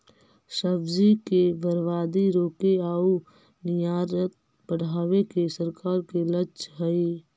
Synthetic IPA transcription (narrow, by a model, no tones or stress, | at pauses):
səbzikebəɾʋaːd̪iɾoːkeaːu | nɪjaːɾət̪̚ | bəɽ̤aːʋekesəɾkaːɾkelət͡ʃɦəi